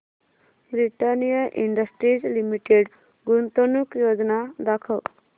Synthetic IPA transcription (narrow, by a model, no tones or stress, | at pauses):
bɾiʈanijaʔiɳɖəsʈɾid͡ʒlimiʈeɖ | ɡunt̪onukjod͡ʒnad̪akʰəl